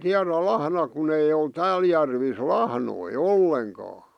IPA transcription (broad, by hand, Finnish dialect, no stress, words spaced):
tiæræ lɑhnɑ kun ei ol tæːl jærʋis lɑhnoi olːeŋkɑː